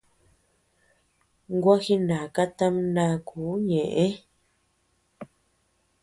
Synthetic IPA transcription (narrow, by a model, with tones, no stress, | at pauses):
ŋ˦ɡwa˦xi˦nã˨ka˦t̪ã˦m˦nã˧˦˨kʰuː˨˦ɲẽ˨ʔẽ˦